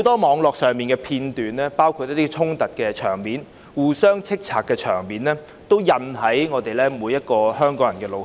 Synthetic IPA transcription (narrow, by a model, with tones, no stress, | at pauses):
o˨˧wt̪ɔː˥mɔː˨˧ŋlɔː˨k̚sœː˨˧ŋmiː˨nkɛː˧pʰiː˧nt̪yː˨nlɛː˥paː˥wkʰu˧t̚jɐ˥t̪iː˥t͡sʰʊ˥ŋt̪ɐ˨t̚kɛː˧t͡ʃʰœː˨˩ŋmiː˨˥n | wuː˨sœː˥ŋt͡sʰɪ˥k̚t͡sʰaː˨k̚kːɛː˧t͡ʃʰœ̰ː˨˩ŋmiː˨˥nlɛː˥ | t̪o˥wjɐ˨nɦɐ˨˥jŋɔː˨˧t̪e˨jlɛː˥muː˨˧jɐ˥t̚kɔː˧hœː˥ŋkɔː˨˥ŋjɐ˨˩nkɛː˧lo˨˧w